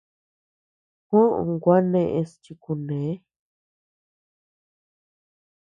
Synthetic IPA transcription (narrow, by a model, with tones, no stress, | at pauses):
hõ˦ʔõ̰˧ŋɡʷa˦nẽ˧ʔẽ˧st͡ʃi˧ku˧nẽ˨˦